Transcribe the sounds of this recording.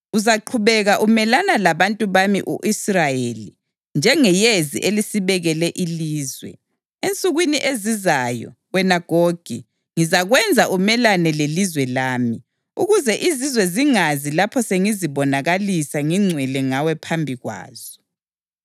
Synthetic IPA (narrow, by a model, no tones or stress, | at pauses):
uzaǃʰuβɛɣaʔumɛlanalaβantʼuβamḭʔuʔisrajeli | nd͡ʒʱɛŋɛjezḭʔelisiβɛɣɛlɛʔiliːzwɛ̰ | ent͡sʼuɣwiniʔezizajɔ̰ | wɛnaɡ̥ʱoɡ̥ʱḭ | ŋizaɣwɛnd͡zʱaʔumɛlanɛlelizwɛlaːmi | uɣuzɛʔizizwɛziŋazilapʰɔseŋiziβɔnaɣalisaŋiŋ͡ǀʱwɛlɛŋawɛpʰambʱiɣwa̰ːz̥ɔ̥